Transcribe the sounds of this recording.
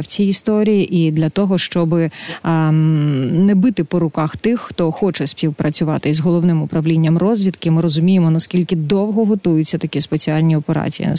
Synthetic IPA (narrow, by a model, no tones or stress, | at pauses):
wt͡sʲiist̪ɔɾʲijiʔid̪lʲɐt̪ɔɦɔʃt͡ʃɔbɪ | nɛbɨt̪ɪpɔɾʊkɑxt̪ɪxːt̪ɔxɔt͡ʃɛspʲiwpɾɐt͡sʲʊʋɑt̪ɪzɦɔlˠɔʋnɪmʊpɾɐʋlʲinʲːɐmrɔzʲʋʲit̪kɪmɪɾɔzʊmʲijemɔnɐskʲilʲkɪd̪ɔwɦɔɦɔt̪ujʊt͡sʲːɐt̪ɐkʲispet͡sʲialʲnʲiɔpeɾɑ̰t͡sʲḭjḭ